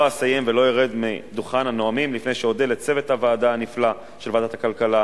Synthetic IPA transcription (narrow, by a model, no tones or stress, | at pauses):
oasaje̞mvelo̞jiʁed̪mḭd̪uχananoamimlifnejʃeodelett͡se̞ve̞t̪havaːdanifla | ʃelvaːd̪at̪akalkala